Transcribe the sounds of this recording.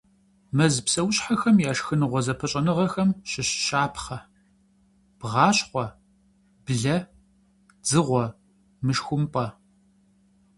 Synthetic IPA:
mɐzpsɐwɕħaxɐmjaːʂxɨnɨʁʷɔzɐpʰɐɕʼɐnɨʁɐxɐmɕɪɕɕaːpʰχɐ | b̥ʁɑːɕχʷɔ | b̥ɮɐ | d͡zɨʁʷɔ | mɨʃxʷʊmpʼɐ

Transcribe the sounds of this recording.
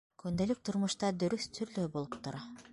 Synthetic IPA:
kynd̪ølyk̚t̪ʰuɾmuʃt̪ɑd̪ɵɾyθt̪ʰyɾløːbolˠupt̪uɾɑ

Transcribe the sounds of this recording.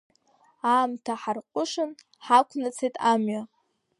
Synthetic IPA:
aːmtʰaħarqʷʼʊʂɨn | ħakʷʰnɨt͡sʰejtʼʰamɥa

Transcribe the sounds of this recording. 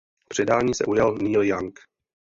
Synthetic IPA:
pr̝̥ɛdaːɲiːsɛ̰ʔujalniːljaŋk

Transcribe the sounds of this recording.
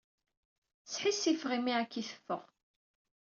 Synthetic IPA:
sħisːifʁimiækːiθə̥fːə̰ʁ

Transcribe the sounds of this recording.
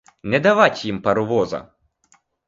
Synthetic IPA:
nʲɛd̪ɐʋatʲjimpɐɾʊʋɔzɐ̰

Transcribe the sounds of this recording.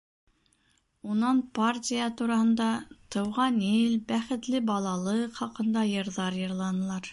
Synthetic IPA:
unɑnpartʲijət̪uɾɑhɤ̆nd̪ɑt̪ɤ̆wʁɑnilbæχɘ̆t̪lɘbɑlˠɑlˠɤχɑqɤ̆nd̪ɑjɤ̆ɾðɑɾjɤ̆ɾlˠɑnɤ̆lˠɑɾ

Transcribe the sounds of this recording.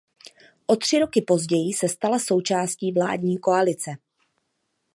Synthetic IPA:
ʔo̞t̪r̝̥ɪɾo̞kɪpo̞zɟɛjɪsɛst̪alaso̞wt͡ʃaːsciːvla̰ːdɲiːko̞alɪt͡sɛ

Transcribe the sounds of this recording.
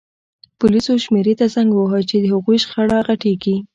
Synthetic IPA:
pʊlisoʃmeɾet̪azaŋɡwəɦət͡ʃed̪əhʊɣujʃxaɽɑɣaʈeɡi

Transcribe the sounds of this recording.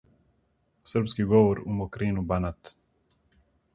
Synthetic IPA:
sərpskiɡɔʋɔɾumɔkɾiːnubanat̪

